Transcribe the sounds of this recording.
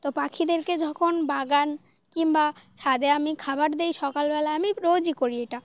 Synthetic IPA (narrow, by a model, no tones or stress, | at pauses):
t̪opakʰid̪eɾked͡ʑɔkʰonbaɡan | kimbaʃʰad̪eamikʰabaʈd̪ejʃɔkalbɛlaamipɾod͡ʑikoɾieʈa